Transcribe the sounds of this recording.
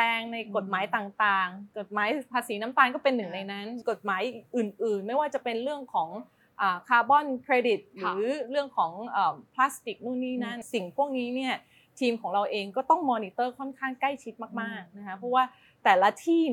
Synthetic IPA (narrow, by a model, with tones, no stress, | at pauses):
ɛː˧ŋna˧jko˨˩t̪̚maː˩˦jt̪aː˨˩ŋt̪aː˨˩ŋko˨˩t̪̚maː˩˦jpʰaː˧siː˩˦na˦˥mt̪aː˧ŋkɔː˥˩pe˧nːɯ˨˩ŋna˧jna˦˥nko˨˩t̪̚maː˩˦jʔɯː˨˩nʔɯː˨˩nma˥˩jwaː˥˩t͡ɕa˨˩pe˧nɾɯ˥˩əŋkʰɔː˩˦ŋ | ʔaː˨˩kʰaː˧bɔ˥˩nkʰɾeː˧di˨˩t̪̚ɾɯ˧˩˦ɾɯ˥˩əŋkʰɔː˩˦ŋʔəː˨˩pʰlaː˦˥st̪i˨˩k̚nu˥˩niː˥˩na˦˥si˨˩ŋpʰu˥˩ək̚niː˦˥ni˥˩ɐ | t̪ʰiː˧mkʰɔː˩˦ɾa˧wʔeː˧ŋkɔː˥˩t̪ɔ˥˩ŋmɔː˧niː˧˥t̪ɤː˥˩kʰɔ˥˩nkʰaː˥˩ŋkla˥˩jt͡ɕʰi˦˥t̪̚maː˥˩k̚maː˥˩k̚na˦˥kʰa˦˥pʰɾɔ˦˥waː˥˩ | t̪ɛː˨˩la˦˥t̪ʰiː˥˩